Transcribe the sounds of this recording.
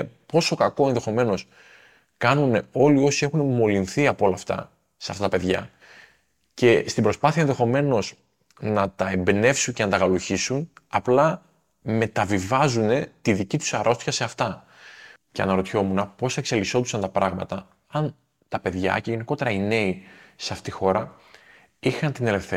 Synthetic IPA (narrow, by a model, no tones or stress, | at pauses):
po̞so̞kɐko̞e̞nðe̞xo̞me̞no̞s | kɐnuneo̞lio̞sie̞xunemo̞linθiɐpo̞lɐːft̪ɐ̰ | seɐft̪ɐt̪ɐpe̞ðʝɐ | ce̞st̪ibɾo̞spɐθiɐenðe̞xo̞me̞no̞s | nɐt̪ɐe̞mbne̞fsuɲce̞nɐt̪ɐɣɐluçisunɐplɐ | me̞t̪ɐvivɐzune̞t̪iðicit̪u̥sɐɾʔo̞st̪çɐse̞ɐft̪ɐ | ceɐ̰nɐɾo̞t̪ço̞munɐpo̞sekse̞liso̞t̪usɐnt̪ɐpɾɐɣmɐ̰t̪ɐ | ɐn | t̪ɐpe̞ðʝɐ̰ce̞ʝe̞niko̞t̪e̞ɾɐine̞iseɐft̪iixo̞ɾɐ | ixɐnt̪ine̞le̞fθe